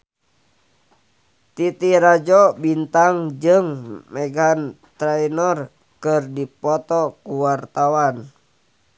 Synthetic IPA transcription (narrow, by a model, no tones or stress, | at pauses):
t̪it̪iɾad͡ʒɔbint̪aŋd͡ʒɨŋmɛɡan | t̪ɾɛjnɔr | kɨrdipɔt̪ɔkuwart̪awan